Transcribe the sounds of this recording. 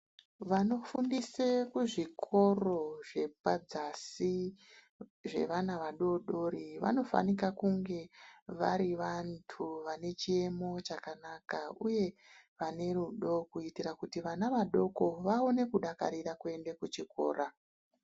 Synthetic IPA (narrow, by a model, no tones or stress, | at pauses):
ʋano̞fundisekuʐikʰo̞ro̞ʐe̞pad͡zasi | ʐe̞̰ʋanaʋaɗo̞ɗo̞ɾiʋa̰no̞fa̰nikakuŋɡe̞ʋaɾiʋantʰuʋane̞t͡ʃie̞mo̞t͡ʃakanakauje̞ʋane̞ruɗo̞kuitiɾakutiʋanaʋaɗo̞ko̞ʋao̞ne̞kuɗaka̰ɾiɾakue̞ndekut͡ʃiko̞̰ːɾʔa